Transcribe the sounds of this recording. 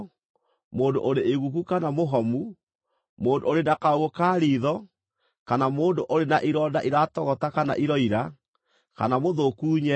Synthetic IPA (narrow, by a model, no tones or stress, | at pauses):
moːndo̰ʔoɾeeɣukukanamoɦɔmu | moːndooɾenakaoɣokaːɾiðɔ | kanamoːndoʔoɾenaʔiɾɔdaʔiɾatɔɣɔtakana̰ʔiɾɔiɾa | ka̰namoðokuːɲɛ